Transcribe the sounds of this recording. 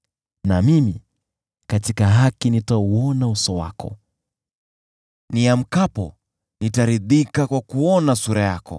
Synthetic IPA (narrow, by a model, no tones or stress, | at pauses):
namimi | katikaɦakinitauɔnausɔwa̰kɔ̰ | niam̩kapɔ̰ | nitaɾiðikakwakuɔnasuɾajakɔ̰